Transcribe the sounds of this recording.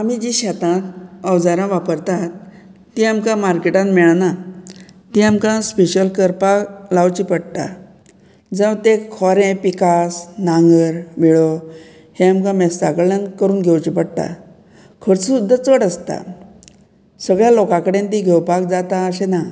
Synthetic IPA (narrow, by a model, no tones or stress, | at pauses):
amid͡ʑiɕat̪ãt̪əwd͡zaɾãʋapəɾt̪at̪ː | iamkãmaɾkeʈãnmɛɭna | t̪iamkãspeɕəlkəɾpaklawt͡ɕipəɽt̪a̰ | d͡zəʋt̪ekʰɔɾẽpikasnaŋɡəɾʋiɭo | heamkãmɛsaɡɭankəɾuːnɡʱewt͡ɕipəɽt̪a̰ | kʰəɽt͡ssud̪ʱːət͡səɽəst̪a̰ | səɡɭjalokãkəɽent̪iɡʱewpak̚d͡zat̪ãəɕena